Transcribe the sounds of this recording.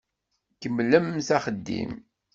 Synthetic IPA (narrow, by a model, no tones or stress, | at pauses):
kəmləmθæχəd̪ːḭm